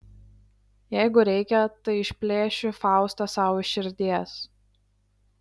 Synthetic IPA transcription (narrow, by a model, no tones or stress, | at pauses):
jɛɪɡʊɾʲɛɪkʲɛt̪ɐɪɪʃʲpʲlʲeːʃʲʊfɑˑʊst̪ɐsɑʊʃʲɪɾʲd̪ʲiɛs